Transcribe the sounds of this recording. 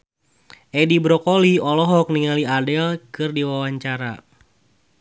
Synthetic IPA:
ʔedibɾɔkoliɔlɔɦɔk̚niŋaliadɛlkɨrdiwawaɲt͡ʃaɾa

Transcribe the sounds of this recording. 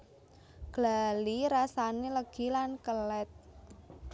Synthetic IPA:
ɡ̥laliɾasaneləɡ̥i̤lankəlɛt̪̚

